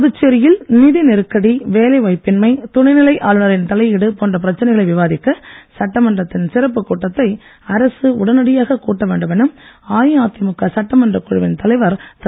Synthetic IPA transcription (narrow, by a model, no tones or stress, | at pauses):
ɐðɯt͡ʃːeɾɪjɪlnɪðinɪɾɯkːɐɽiʋeːlɐɪʋɐɪpːɪnmɐɪt̪ʊɳɐɪnɪlɐɪʔaːlɯnɐɾɪnt̪ɐlɐɪɪɽɯpoːndrɐpɪɾɐt͡ʃːɐnɐɪɣɐɭɐɪʋɪʋaːðɪkːɐsɐʈːɐmɐndrɐt̪ːɪnsɪɾɐp̬ːɯkːuːʈːɐt̪ːɐɪ | ɐɾɐsɯʊɽɐnɐɽɪjaːɣɐkuːʈːɐʋeːɳɖɯmɛnɯmaːjaːt̪ːɪmɯkːɐsɐʈːɐmɐndrɐkːʊɻɯʋɪnt̪ɐlɐɪʋɐɾt̪